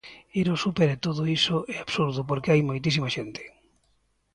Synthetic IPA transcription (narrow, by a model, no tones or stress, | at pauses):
eɾosupeɾet̪oðoisoʔɛaβsuɾðʊpoɾkeajmojt̪̬isimaʃent̪e̥